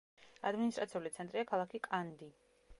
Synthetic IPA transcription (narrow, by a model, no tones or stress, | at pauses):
ad̪minist̪ʼɾʔat̪sʰiulit̪sʰɛnt̪ʼɾiakʰalˠakʰikʼand̪i